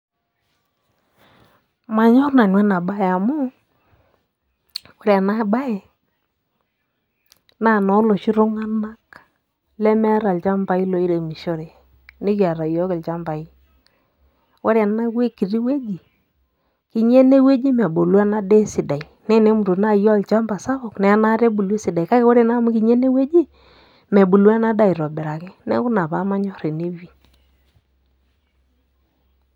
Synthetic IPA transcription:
ma˨ɲɔ˦ɾna˨nwɛ˦na˨ba˦ja˨mʊ˦ | wo˦ɾja˨na˦ba˦ɛ˨ | na˦˨nɔ˨˦lo˨ʃi˦ɾo˦ŋa˦na˦k | lɛ˦mɛ˦ɾa˨lt͡ʃa˦mba˨˦i˦lo˨˦i˦ɾe˨mi˨ʃo˦ɾe˨ | nɪ˦kja˨ɾa˨jɔ˦kɛ˨lt͡ʃa˦mba˨i˦ | wa˦ɾn˦a˦kwe˦kːi˨ɾi˦we˦d͡ʒi˨ | ki˨ɲe˦ne˦we˦d͡ʒi˦mɛ˨bo˨lwa˦na˦de˦sɪ˨da˨i˨ne˦ne˦mu˨ɾu˨na˦jɔ˦˨lt͡ʃa˦mba˨sa˦βɔ˨knɛ˨a˦na˦ɾe˦bu˨le˦si˨da˨i˨ka˦ke˦wɔ˦ɾe˨na˦mu˦ki˨ɲe˦ne˦we˦d͡ʒi˦ | me˨bu˨lwa˦na˦da˦˨i˨ɾɔ˨bɛ˨ɾa˨kɛ˦nɛ̰˦kʊ˦na˨pa˦ma˦ɲɔ˦ɾe˨ne˦wi˨

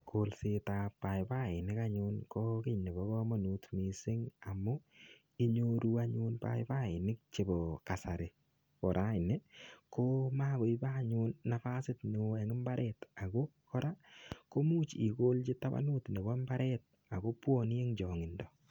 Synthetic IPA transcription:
kʰo˨lse˦ta˨pːa˨jpa˦˨ɪ˨nɪ˦ka˦ɲʊnkɔ˦kɪ˦ɲni˨bɔ˦ɣɔ˦ma˦nu˨tmi˨sɪ˦ŋa˨mʊ˦ | i˦ɲo˦ɾu˦a˦ɲu˦npa̰˦jpa˦ɪ˨nɪ˦k̚t͡ʃe˨bɔ˨ka˨sa˨ɾɪ˨ | kɔ˨ɾʔa˦ɪ˨nɪ˦ko˦ma˦bo˨iba˦˨ɲʊnːa˨fa˦sɪ˦tnɪ˨˦ɛ˨ŋɪ˦mba˦ɾʔɛ˦ta˨ko˦kɔ˦ɾa˦ko˦mu˦t͡ʃi˨ko˦lt͡ʃi˦ta˦ba̰˦no˦tni˨bɔ˦mba˦ɾʔɛ˦t̚ | a˨ko˦pwɔ˦n˦e˦ŋd͡ʒɔ˨ŋɪ˨ndɔ˨

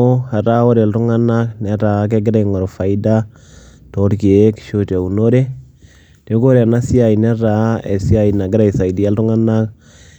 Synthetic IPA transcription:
o˦ha˨ɾa˦o˦ɾɛ˨ltu˦ŋa˦na˦knɛ˨˦ɾa˨˦k̬e˦ɡɪ˦ɾa˦iŋɔ˨ɾfa˨i˦da˦ | tɔ˨˦ɾke˨˦kʃo˦ta˨u˨no˦ɾe˦ | te˨˦ko˦ɾe˨a˨na˦si˦a˨i˨nɛ˦ɾa˨˦ḛ˨si˦a˨i˨na˨ɡɪ˦ɾa˨i˨sa˨ida˦lɾu˦ŋa˦na˦k

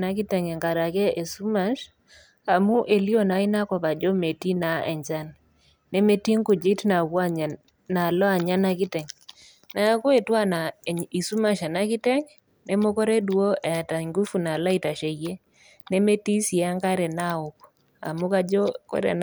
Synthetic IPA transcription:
na˨kɪ˦tɛ˨ŋɛ˨ŋɡa˨ɾa˨kɛ˦ʔe˨su˦ma˦ʃ | a˨mu˦ʔe˨li˦o˨na˨i˦na˦kɔ˨pa˨d͡ʒɔ˦me˨ti˦na˨ɛ̰˨ɲd͡ʒa˦nː | ɛ˦me˦ti˦ŋku˨d͡ʒɪ˦tna˨kwa˦˨ | na˨lɔ˦a˨ɲa˦na˦kɪ˦tɛ˨ŋ | na˦kɔ˦e˨twa˦na˨i˨su˦ma˨ʃa˨na˦kɪ˦tɛ˦ŋ | nɛ˦mo˦kɔ˦ɾɛ˦du˨o˦ɛ˨ta˨ŋɡu˦fu˨na˨la˦i˦˨ta˨ʃe˨je˦ | nɛ˦me˦ti˦si˨a˦ŋɡa˦ɾɛ˨na˦ʊ˨k | a̰˨mu˦ka˦d͡ʒɔ˦kɔ̰˦ɾɛ̰˨n

